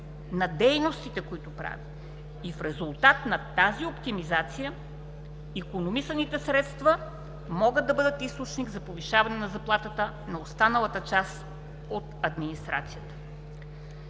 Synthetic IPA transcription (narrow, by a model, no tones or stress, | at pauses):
nɐd̪ɛjnost̪it̪ɛkoit̪ʊpɾa̰vi | ifɾɛzulˠt̪at̪nɐt̪aziopt̪imizat̪sijə | ikonomisənit̪ɛsɾɛt̪st̪və | mɔɡəd̪̚ːɐbɤd̪ət̪ist̪ot͡ʃniɡzɐpoviʃavɐnɛnɐzɐplˠat̪ət̪ə | nɐost̪anəlˠət̪ət͡ʃas | ot̪ɐd̪minist̪ɾat̪sijət̪ə̥